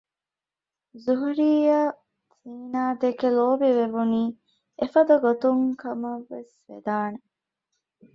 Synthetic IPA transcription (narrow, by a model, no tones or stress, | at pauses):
zuɦuɾiːjaː | t̪iːnaːd̪ekeloːbiʋeʋuniː | efɐd̪ɐɡot̪uŋkɐmɐʋːesʋḛd̪aːne